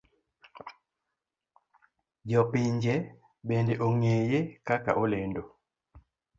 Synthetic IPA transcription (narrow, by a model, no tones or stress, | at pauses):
ɟɔpiɲd͡ʒɛ | ɓɛndeʔoŋeːjekaka̰ʔolendo